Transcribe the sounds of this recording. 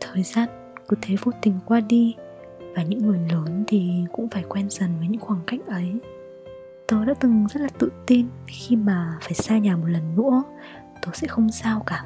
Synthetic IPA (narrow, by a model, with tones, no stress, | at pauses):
t̪ʰəː˨˩jzaː˧n | kɨ˨˧˦t̪ʰe˨˦vo˧t̪ï˨˩ŋ̟kwaː˧ɗi˧ | vaː˨˩ɲɨ̰˧˥ŋːɨ˨˩əjləː˨˦nt̪ʰi˨˩kʊ̰˧˥ŋ͡mfaː˧˩jkwɛ˧nzə˨˩nvəː˨˦ɲɨ̰˧˥ŋxwaː˧˩ŋka̰˧˩jŋ̟ʔə˨˦j | t̪o˧jɗa̰ː˧˥t̪ɨ˨˩ŋzə˦˥t̚laː˨˩t̪ɨ̰˧˨t̪i˧nxi˧maː˨˩faː˧˩jsaː˧ɲaː˨˩mo˨˩t̚lə˨˩nːuɨ̰˧˥ə | t̪o˧jsɛ̰˧˥xə˧wŋ͡msaː˧wkaː˧˩